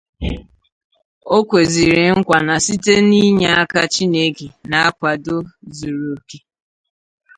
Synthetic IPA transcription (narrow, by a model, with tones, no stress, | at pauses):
o˦kʷe˨zi˨ɾɪ˨ŋ̩˦kʷa˨na˨si˦te˦ni˦ɲa˦a˦ka˦t͡ʃi˦ne˦ke˨na˨a˦kʷa˨do˦zu˨ɾu˨o˨ke˦